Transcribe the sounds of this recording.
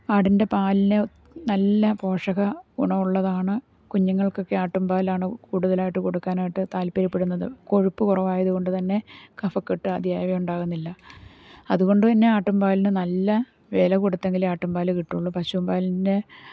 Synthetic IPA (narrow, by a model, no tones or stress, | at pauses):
aːɽinde̞paːlinɨ | nɐlːɐpo̞ːʂɐɣɐɡṵɳɐʋuɭːɐðaːɳɨ | kuɲːɐŋːɐɭko̞kːe̞aːʈːumbaːlaːɳɨkuːɽuðɐlaːjiʈːɨko̞ɽukːaːnaːjiʈːɨt̪aːlpɐɾipːeɽunːɐðɨ̰ko̞ɻupːɨkurɐʋaːjɐðuɣo̞ɳɖɨt̪ɐnːe̞kɐfɐkːiʈːɨɐd̪ʱjaːjʋɐmuɳɖaːɣunːilːɐ | ɐðuɣo̞ɳɖɨt̪ɐnːe̞aːʈːumbaːlinɨnɐlːɐ | ʋe̞ːlɐkuɽut̪ːe̞ŋɡilaːʈːumbaːlɨkiʈːuɭːupɐɕumbaːlide